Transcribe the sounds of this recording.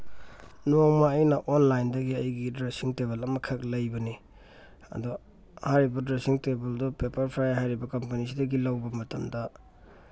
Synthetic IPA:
noŋmaːjnɐʔonlajndɐɡiɐjɡidɾesiŋteβelɐmɐkʰɐk̚lɐjbɐni | ɐ̰du | haɾibɐdɾesiŋtebɐldɔpepɐɾpʰɾajɦajɾibɐkɐmpɐnisidɐɡilawbɐmɐtɐmdɐ

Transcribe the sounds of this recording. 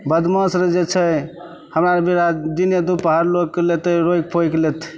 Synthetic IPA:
bəd̪məsɾed͡ʒet͡ʃʰɛ | həmɾaɾbiɾad̪injəd̪upəɦaɾlokːlet̪əɾoik̚pʰojklet̪ʰ

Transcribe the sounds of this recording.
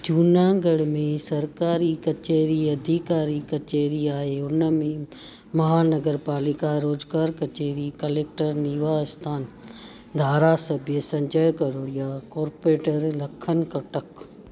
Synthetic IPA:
d͡ʒuːnaːɡɐɽmẽsɐɾkaːɾikɐt͡ʃeːɾiɐd̪ʱikaːɾikɐt͡ʃeːɾiaːɦeʊnəmẽ | mɐɦaːnɐɡəɾpaːlɪkaɾoːzɡaːɾkɐt͡ʃeːɾikɐleːk̚ʈəɾniːʋaɪst̪ʰaːn | d̪ʱaːɾasɐbʱijəsɐ̃ɲd͡ʒəːɾkɐɾoːɽijakoːɾpeːʈəɾlɐkʰən̆kɐʈək

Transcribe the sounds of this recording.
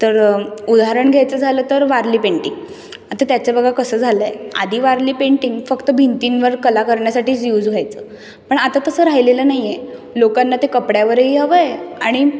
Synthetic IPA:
t̪əɾud̪aɦaɾəɳɡʱjajt͡səd͡zʱaləːt̪əɾʋaɾliːpeɳʈiŋɡ | at̪at̪jat͡ɕjabəɡʱakəsəːd͡zʱaləea̰d̪ʱiːʋaɾliːpeɳʈiŋɡfəkt̪əbʱint̪inʋəɾkəlakəɾɳjasaʈiːt͡sjuːd͡zɡʱjajt͡səː | pəɳat̪at̪əsəɾaɦileləːnaɦijelokanːat̪ekəpɽjaʋəɾɦiɦəʋəjaɽ̃i

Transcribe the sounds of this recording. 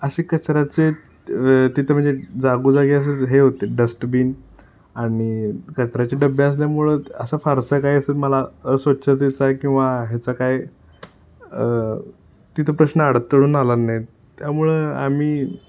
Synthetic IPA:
əɕekət͡sɾat͡se | t̪it̪ʰəm̤əɳd͡zed͡zaɡuːd͡zaɡeəs̬et̪ɦeɦot̪eɖəsʈbiːn | aɽ̃ikət͡sɾat͡ɕeɖəbəs̬ljamuɭəːəsafaɾsəkaiəsəːlməlaəsʋət̪ɕʰət̪̬it͡sakĩw̃ʋaɦet͡sakaj | ə | t̪it̪ʰəpɾəɕnəaɽət̪ːəɽuːnalanːaj | t̪jamuɭəa̰miː

